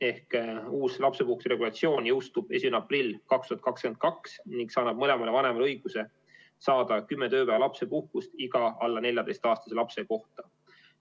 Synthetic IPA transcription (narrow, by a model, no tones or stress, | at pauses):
e̞hkuːslɑpse̞puhksiɾe̞ɡ̥ulɑt̪sio̞ːnjɤwst̪ub̥e̞sʲimeneɑprilʲːkɑkst̪uhɑt̪̚kɑkske̞nd̪̚kɑksniŋɡ̥sɑːnɑb̥̚mɤle̞mɑle̞vɑne̞mɑlɤjɡ̥use̞ | sɑːd̪̥ɑkymːet̪ø̞ːpæːvɑlɑpse̞puhkust̪iɡ̥ɑɑlːɑnelʲjɑd̪e̞jst̪ɑːst̪ɑ̥selɑpse̞ko̞ht̪ɑ